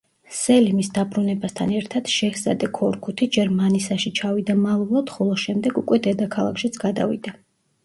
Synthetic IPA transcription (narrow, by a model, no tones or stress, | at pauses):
sɛlimisd̪abɾunɛbast̪ʰanɛɾt̪ʰad̪̥ʃɛhsa̰d̪ɛkʰɔɾkʰut̪ʰid͡ʒɛɾmanisaʃit͡ʃʰavid̪amalˠulˠad̪̥χɔlˠɔʃɛmd̪ɛɡukʼwɛd̪ɛd̪akʰalˠa̰kʰʃit̪sʰɡ̥ad̪a̰vḭd̪a